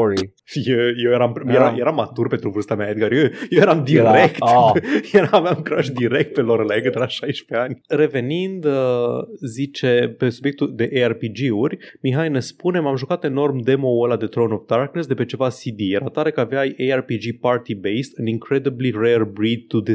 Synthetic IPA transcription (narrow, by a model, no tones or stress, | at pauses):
i | jejewjeɾampjeɾaje̞ɾamːat̪urpe̞nt̪ɾuvɨrst̪amaed̪ɡaɾujeje̞ɾamd̪iɾekt̪jeɾaavjamkɾaʃd̪iɾek̚t̪̚pe̞loɾəlajekɨt̪ɾevaʃajʃpe̞anʲɾe̞ve̞nind̪əzit͡ʃe̞pe̞subjekt̪uld̪e̞ʔearpid͡ʒiurʲmiɦajnespune̞mamʒukat̪e̞no̞rmd̪e̞mo̞wəlad̪e̞t̪ɾownofd̪arknes̬d̪e̞pet͡ʃe̞vasid̪ije̞ɾat̪aɾe̞kəaveajejarpid͡ʒipart̪ibejst̪ɨniŋkɾed̪iblirerbɾid̪̚t̪ud̪i